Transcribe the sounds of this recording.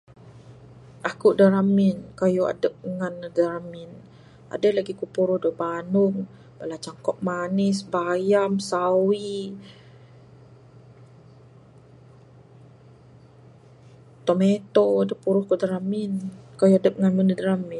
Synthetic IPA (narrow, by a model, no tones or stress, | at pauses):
ʔakuʔdaɾamɪnkajua̰dəp̚ŋanədaɾamɪn | a̰dəlaɡikupuɾʊhdobanʊŋ | bəlat͡ʃaŋkɔp̚manɪsbajamsawi | t̪omet̪odəpuɾʊhkuʔdaɾaminkajuadəp̚ŋanmənədaɾamɪ